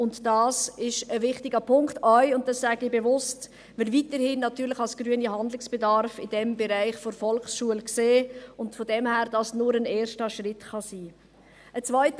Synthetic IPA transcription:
ʊntd̥ɑːsɪʃəvɪχtɪɡəpʰʊŋktœʏʊnt̚d̥ɑsːæːɡɪbevʊst | vɪlvitəɾhɪnːɑtyːɾlɪχɑlsɡ̥ɾyəniɦɑndlɪksb̥edɑɾfɪd̥ɛmbɛɾaɪχfoɾfɔlχsʃuəlkseːʊntfodɛmhæːɾd̥ɑsnʊɾəneːɾʃtəʃrɪtχɑsiː | ʔət͡svœɪt

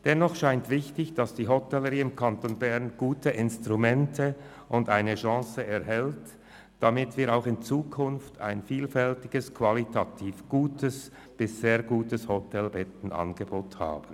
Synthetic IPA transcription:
d̥ɛnːɔχʃaɪntv̥ɪçtɪçd̥asd̥iːɦotʰɛlːəʁiːɪmkʰantoːnbɛʁnɡ̥uːtʰəʔɪnstʁumɛntʰə | ʊndaɪnəʃɑ̃ːsəɛɐɦɛlt | d̥amɪtv̥iːɐɾaʊxɪnt͡suːkʰʊnftʰa̰ɪnfiːlfɛltɪɡ̥əskʰv̥alitʰatʰiːfɡ̥uːtəs | b̥ɪsz̥eːɐɡuːtəshotʰɛlbɛtn̩ʔɑ̰nɡəboːtha̰ːb̥ən̩

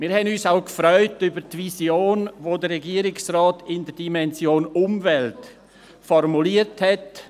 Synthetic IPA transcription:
mɪːɾhɛnyːsaʊkfɾœʏtybəɾtvisjoːnvoːdəɾɛɡiəɾɪksraːtɪndədimɛnzjoːnʊmvɛlt | fɔrmuliəthɛt

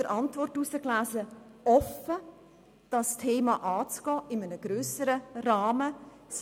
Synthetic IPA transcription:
əɾʔɑntvɔrtusəklæːzəɔfə | d̥ɑstʰeːmɑʔɑːt͡sɡ̥ɔːʔɪmənəɡ̥ɾøːsəɾərɑːmə | s

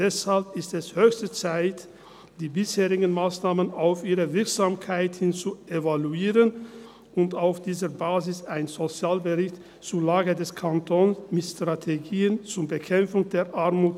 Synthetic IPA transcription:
d̥ɛshalpɪstɛshøːçstət͡saɪt | d̥iːbɪsheːʁɪɡn̩maːsnaːmənaʊfʔiːʁəvɪɐkz̥aːmkʰaɪthɪnt͡suevaluiːʁən | ʊntaʊfd̥iːzəbaːzɪsaɪnzot͡sjaːlbəʁɪçt | t͡suːɐlaːɡədɛskʰantʰonmɪtstʁ̥atʰeɡiːənt͡sʊɐbəkʰɛmfʊŋdeːɐʔaɐmuːt

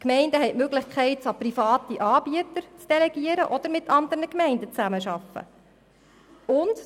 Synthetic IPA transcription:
kmɛɪndəɦɛɪjtmøɡlɪχkχɛɪtsɑprifɑːtiʔɑːb̥iət̪əɾt͡sd̥ɛlɛɡiəɾəʔɔd̥̪əɾmɪt̪ʰɑnd̪əɾnəkmɛɪndət͡sæməʃɑfːə̰ | ʊnt

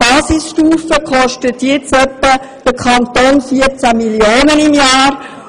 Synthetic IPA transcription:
b̥ɑːsisʃtuːfəkʰɔʃtət̪jɪt͡sœpːə | d̥əkʰɑnt̪oːnfiəɾt͡sæmiljoːnənimjɑːɾ

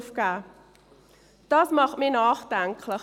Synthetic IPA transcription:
fka | d̥ɑsmɑχmenɑːχdæŋkʰlə

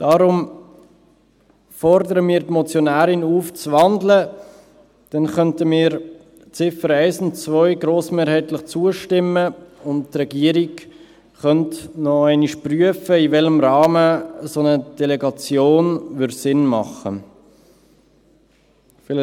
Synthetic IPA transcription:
d̥ɑːɾʊm | fɔɾdəɾəmiːɾtmɔt͡sjonæːɾɪnuːft͡sʋɑndlə | d̥ɛnχœntəmiːɾ | t͡sɪfəɾæɪsʊntt͡svœʏɡɾoːsmeːɾhɛɪtlɪχt͡suəʃtɪməʊnttɾɛɡiːəɾiɡ | χœntnɔæɪniʃpryəfəivɛləmɾɑːməsonəd̥ɛlɛɡɑt͡sjoːnʋʏɾsɪnmɑχə̰ | fɪl

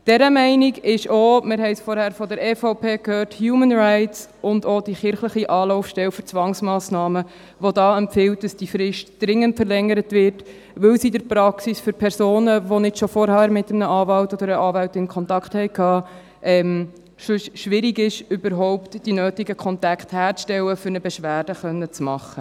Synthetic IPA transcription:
d̥ɛɾəmɛɪniɡɪʃoːmɪɾɦɛɪsfɔːɾhæːɾfɔd̪əɾɛfoʊpʰeːkhøːrthjuːmənɾaɪtsʔʊndodiχɪɾχləχiʔɑːlɔʊfʃtɛwføɾt͡sʋɑŋsmɑːsnɑːmə | ʋodɑːɛmfɪwt̚d̥ɑsd̥ifɾɪʃtd̥ɾɪŋːəntfəɾlɛŋːəɾətvɪɾt | ʋɵwsidəɾpɾɑksisføɾpʰɛɾsoːnəʋonɪtʃofɔɾhæːɾmɪtəmnəɑːvɑltɔd̪əɾəʔɑːvæltɪnkʰχɔntɑkχthɛɪkʰɑː | ʔɛm | ʃsʃʋɪɾiɡɪʃʏbəɾɦɔʊptd̥inøːtiɡəkʰɔntɑkχthæːɾʃtɛwəfʏɾnəbɛʃʋæːrd̥əχœnːət͡smɑχːə

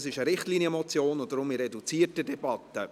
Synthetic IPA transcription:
sɪʃəɾɪχtliːniəmɔt͡sjoːnʊndɾʊmɪɾɛdut͡siːətədɛbɑt̪ːə

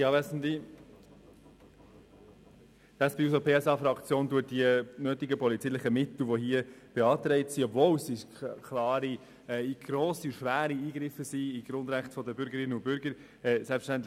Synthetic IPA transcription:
jɑːvɛsn̩di | d̥ɑsb̥iysəpʰeːɛsɑfɾɑkt͡sjoːnduət̚diənœːt̪ɪɡəpɔlit͡siːlɪχəmɪt̪l̩ʋoɦiəb̥eɑːt̪ɾɛɪtsiɔbvowsi | kʰlɑːɾi | ɛɡ̥ɾoːsiuʃʋæːɾiiːɡɾɪfəsiiɡ̥ɾʊnd̪ɾæχtfɔdəbʏɾɡəɾɪnːəʊbʏɾɡəɾ | ɛːsɛlpfəʃtænt̪̬l

